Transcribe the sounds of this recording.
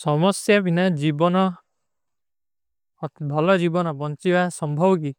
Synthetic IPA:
sɔmɔsjabʱinad͡ʒibɔnɔ | bʱɔlɔd͡ʒibɔnɔbɔnt͡ʃibasɔmbʱɔbɔk̬i

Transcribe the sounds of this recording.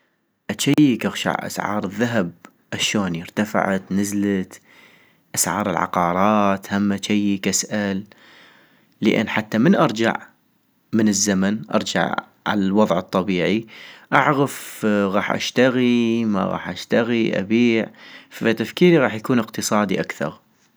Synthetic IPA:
ʔat͡ʃːajkɪɣʃa̰ʕʔa̰sʕɑ̰ːɾˤɨðːaɦab̚ | ʔaʃoːnjɪɾt̪afɪ̰ʕat̪nɪzlat̪ | ʔasʕɑ̰ːɾˤɪlʕa̰qɑːɾˤɑːt̪hamːat͡ʃajːkasʔal | əʔɪ̰nːħat̪ːamɪnʔɑɾˤd͡ʒa̰ʕ | mɪnɪzːamanʔɑ̰ɾˤd͡ʒa̰ʕ | ʕa̰lalwɑðˤʕɨt̪ˤːɑbiːʕiʔaʕɣafɣɑːħʔa̰ʃt̪aɣima̰ɣɑ̰ːħʔaʃt̪aɣiʔa̰biːʕfat̪afkiːɾiɣɑːħjakuːnɪqt̪ɨsˤɑːd̪iʔakθɑ̰ɾˤ

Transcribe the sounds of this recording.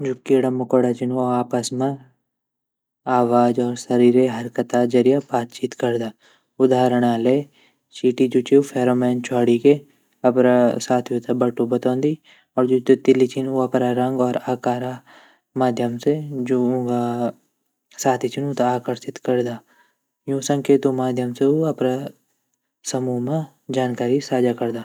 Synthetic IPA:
d͡ʒʊkːiɽamʊkɔɽat͡ʃɪnuaːpəsma | aːʋaːd͡ʒɔːɾsɐɾiːɾeɦɐɾkət̪ad͡ʒɐɾijabaːt̪t͡ʃiːt̪kɐɾd̪aː | ʊd̪aːɾəɽ̃ale | t͡ʃiːʈid͡ʒut͡ʃiupʰeːɾoːmɛːnt͡ʃʰwaːɽike | ɐpɾasaːt̪ʰjut̪abɐʈːubɐt̪ãːnd̪i | ɔːɾd͡ʒot̪t̪ɪlit͡ʃʰɪnoɐpɾaɾɐ̃ŋɡɔːɾaːkaːɾa | maːd̪ʱjəmsed͡ʒoːũɡa | saːt̪ʰit͡ʃʰɪnut̪aaːkəɾsɪt̪kɐɾd̪aː | jũːsə̃ŋkʰet̪omaːd̪ʱjəmseuɐpɾa | sɐmuːɦmã | d͡ʒaːnkaːɾisaːd͡ʒakɐɾd̪aː

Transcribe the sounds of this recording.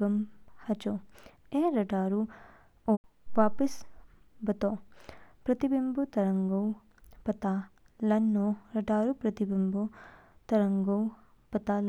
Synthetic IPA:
ɐmhɐt͡ʃoeːɾɐʈaːɾu | o | ʋaːpisbɐt̪opɾɐt̪ibimbut̪ɐɾɐŋɡɐw | pɐt̪a | lɐnːoɾɐʈaːɾupɾɐt̪ibimbut̪ɐɾɐŋɡɐw | pɐt̪al

